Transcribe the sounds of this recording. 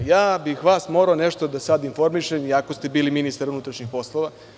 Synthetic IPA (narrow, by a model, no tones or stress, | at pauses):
jaːbixʋaːsmo̞ɾaoneʃt̪o̞d̪asad̪info̞ɾmiʃemiako̞st̪e̞biːliminist̪aɾunut̪ɾaʃɲixpo̞slˠo̞ʋa